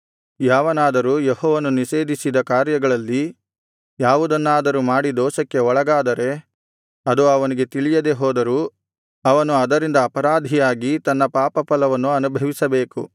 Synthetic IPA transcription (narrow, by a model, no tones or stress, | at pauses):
jaːʋɐnaːd̪ɐɾuːjehɔːʋɐnuniʃe̞ːd̪ʱisid̪ɐkaːɾjɐɡɐɭɐlːi | jaːʋud̪ɐnːaːd̪ɐɾumaːɽid̪ɔːsɐkːe̞ɔɭɐɡaːd̪ɐɾe̞ | ɐd̪uɐʋɐniɡe̞t̪iɭijɐd̪e̞ɦɔːd̪ɐɾuː | ɐʋɐnuɐd̪ɐɾind̪ɐːpɐɾaːd̪ʱijaːɡit̪ɐnːɐpaːpɐpɐlɐʋɐnːuɐnubʱɐʋisɐbe̞ːku